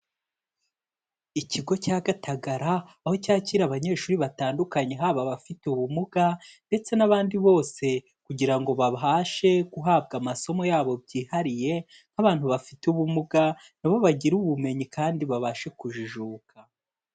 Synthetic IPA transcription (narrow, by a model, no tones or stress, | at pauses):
iciɡo̞caːɡatʰaɡaɾaː | ho̞caːciːɾaβaɲe̞ːʃuɾiβataːndukaɲe̞ɦaːβaβafituβumuɡande̞t͡se̞naβaːndiβo̞ːse̞ | kuɟiɾaŋɡo̞βaβɦaʃe̞kuɦaːb̚ɡamaso̞mo̞jaːβo̞bɟiːhaɾije̞ | n̥haβaːn̥huβafituβumuɡa | naβo̞βaɟiɾuβume̞ɲikaːndiβaβaːʃe̞kuʒuʒuːkʰa